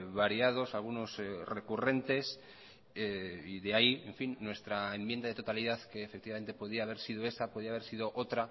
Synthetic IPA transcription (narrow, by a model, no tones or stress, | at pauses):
βaɾiað̞o̞salɣ̞uno̞sre̞kure̞nt̪e̞s | eiðeaieɱfinːwe̞st̪ɾaembje̞nd̪aðet̪o̞t̪aliðaθke̞ːfe̞k̚t̪iβame̞nt̪e̞poð̞iaːβ̞e̞ɾsið̞oe̞sapo̞ðiaβeɾsiðoʔot̪ɾa